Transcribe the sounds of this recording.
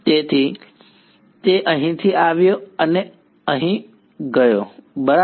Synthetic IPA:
t̪eːt̪ʰi | t̪eʔɐɦĩt̪ʰiaːʋijoɐne | ɐɦĩ | ɡɐjoːbɐɾa

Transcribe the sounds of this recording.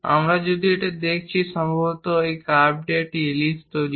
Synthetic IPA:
a̰mɾad͡ʒod̪ʱieʈed̪ekʰt͡ɕʰiʃɔmbʱɔbɔt̪oekab̚ɖeʈilist̪oli

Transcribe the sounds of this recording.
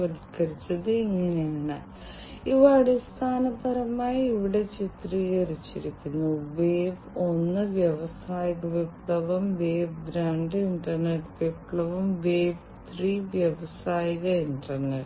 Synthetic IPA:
ʋɐliskɐɾit͡ɕːɐðɨiŋːɐnejaːɳɨ | iʋaaːɽest̪ʰaːnɐbɐɾɐmaːjiʋiɽe̞t͡ɕit̪rijerit͡ɕːiɾikʲːunːuʋeːb | o̞nːɨʋjɐʋɐsaːjiɣɐʋipɭɐʋɐmʋeːbbɾaːɳɖɨiɳɖɐrneʈːʋipɭɐʋɐmʋeːb | t̪riːʋjɐʋɐsaːjiɣɐiɳʈɐrneʈ

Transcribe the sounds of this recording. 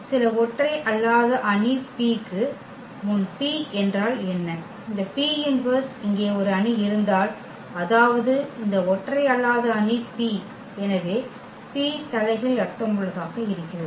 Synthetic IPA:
sɪlɐɔʈrɐɪʔɐlːaːðɐʔɐɳipiːkːɯ | ʊnpiːɛndraːlɛnːɐ | ɪnd̪ɐpiːɪnʋɐɾsɪŋɡeːɔɾɯɐɳiɪɾɯnd̪aːl | ɐðaːʋɐðɯɪnd̪ɐɔʈrɐɪɐɭːaːðɐɐnipiː | ɛnɐʋeː | piːt̪ɐlɐɪɣɐɭɐʈːɐmʊɭːɐðaːɣɐɪɾɯkːɪɾɐð

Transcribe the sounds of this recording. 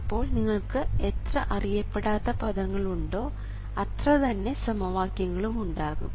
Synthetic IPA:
pːo̞ːɭniŋːɐɭkɨet̪rɐʔɐrijɐpːe̞ɽaːt̪ːɐpɐðɐŋːɐɭuɳɖo̞ː | ɐt̪rɐt̪ɐnːe̞sɐmɐʋaːkjɐŋːɐɭumuɳɖaːɣṵm

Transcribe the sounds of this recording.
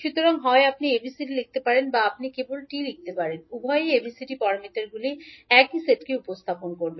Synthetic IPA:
ʃut̪oɾaŋɦɔeapniebʱisiɖilik̚ʰt̪epaɾenbaap̚nikebolʈilik̚t̪epaɾenubʱɔeebʱisiɖipɔɾamit̪eɾɡuliɛkiseʈkeupost̪ʰaponkoɾbe

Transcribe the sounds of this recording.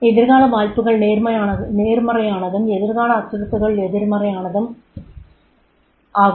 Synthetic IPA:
ɛðɪɾɣaːɭɐʋaːɻpɯɣɐɭneːɾmɐjaːɐneːrmɐrɐjaːnɐðɯmɛðɪɾɣaːɭɐːtːɯɾɐt̪ːɯɣɐɭɛðɪɾmɐrɐjaːnɐðɯm | aː

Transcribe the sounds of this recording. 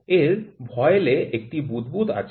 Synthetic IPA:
eɾbʱɔeeleʔek̚ʈibud̪bud̪a̰t͡ɕʰ

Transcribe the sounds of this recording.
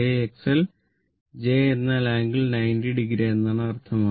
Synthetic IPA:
eeksel | d͡ʑeːenːaːlaːŋɡilnɐjndiɖiɡɾienːaːɳɨɐrt̪ʰɐmaː

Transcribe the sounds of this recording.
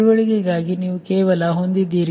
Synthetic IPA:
ʋɐɭiɡɛɡaːɡiniːʋukeːʋɐlɐɦo̞nd̪id̪ːiːɾi

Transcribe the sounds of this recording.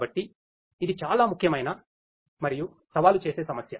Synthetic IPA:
bɐʈːiː | d̪it͡ʃaːlaːmukʰjɐmɐjnɐ | mɐɾiju | sɐʋaːlut͡ʃe̞ːse̞ːsɐmɐsjɐ

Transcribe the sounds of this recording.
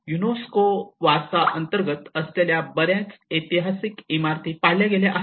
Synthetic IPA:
junoskoʋasaʔənt̪əɾɡət̪əst̪aljabəɾjãt͡set̪iɦasikimaɾt̪ʰiːpaɽljaɡeleʔaɦ

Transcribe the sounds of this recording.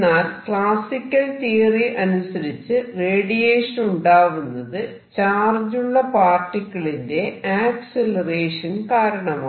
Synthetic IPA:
aːlkɭaːsikʲːɐlt̪iːriʔɐnusɐɾit͡ɕːɨreːɽijeːʂɐnuɳɖaːɣunːɐðɨ | t͡ɕaːrd͡ʑuɭːɐpaːrʈːikʲːɐɭinde̞aːkselɐreːʂɐnkaːɾɐɳɐmaː

